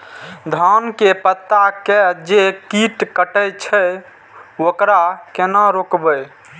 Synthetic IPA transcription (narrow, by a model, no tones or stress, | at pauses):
d̪ʱankepət̪ːakɛd͡ʒekiʈkəʈəjt͡ʃʰə | okɾakenaɾokbəj